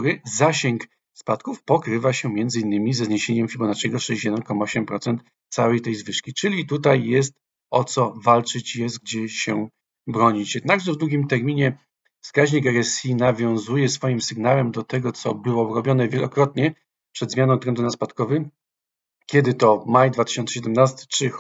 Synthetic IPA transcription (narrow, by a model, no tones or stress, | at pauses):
uɾɘzaɕɛŋk | spat̪kufpɔkɾɘvaɕɛmʲjɛnd̪zɘinːɘmʲizɛzɲeɕeɲɛmfʲibɔnat͡ʂʲɛɡɔʂɛɕt͡ɕjɛd̪ɛnkɔmaɔɕɛmpɾɔt̪sɛnt̪ | t̪sawɛjt̪ɛjzvɘʂkʲit͡ʂɘlʲit̪ut̪̬ajːɛst̪ | ɔt̪sɔvalt͡ʂɘt͡ɕjɛst̪ɡ̚d͡ʑɛɕɛ | bɾɔɲit͡ɕjɛd̪̚naɡʐɛvd̪wuɡʲimt̪ɛɾmʲiɲɛ | fskaʑɲikɛɾɛsʲinavʲjɔ̃w̃zujɛsfɔjimsɘɡnawɛmd̪ɔt̪ɛɡɔt̪sɔ̰bɘwɔɾɔbʲjɔnɛvʲjɛlɔkɾɔt̪ɲɛ | pʂɛd̪zmʲanɔw̃t̪ɾɛnd̪unaspat̪kɔvɘ | kʲɛd̪ɘt̪ɔmajd̪vat̪ɘ̥ɕɔnsɛɕ̬ɛd̪ɛmnast̪ɘ̥t͡ʂɘ